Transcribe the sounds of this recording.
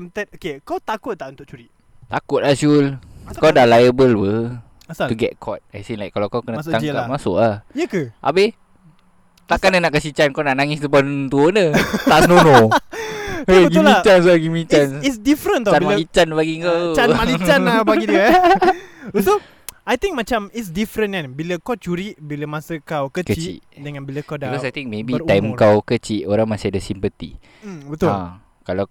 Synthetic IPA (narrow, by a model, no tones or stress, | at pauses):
mt̪ɛt̚okekawt̪akʊt̪̚ːaʔunt̪ʊʔ̚t͡ʃuɾiʔ | t̪akʊt̪̚lasulkadalajəbəlwə | t̪uɡɛ̰t̚kʰɔt̪̚ajsinlajkːalawkawkənəaŋamasʊ̰ʔahjəkəʔa̰bɪ | t̪aʔkanənaʔkəsit͡ʃankawnaʔnaŋɪst̪əbɔnt̪uonət̪aʔsnono | əɡimĩat͡ʃans̬uaɡimĩt͡ʃanisdifɾə̃nt̪aaimalit͡ʃanbaɡiŋkaamalit͡ʃanbaɡid | so | ajt̪ĩŋk̚mat͡ʃamitsdifɾənanbiləkawt͡ʃuɾiʔbiləmasəkawkəkəit͡ʃḭʔdəŋãnbiləkadikɔsajt̪ĩŋk̚mebiajmkawkət͡ʃiʔoɾaŋmasiadəsimpət̪ḭ | bət̪ʊa | kala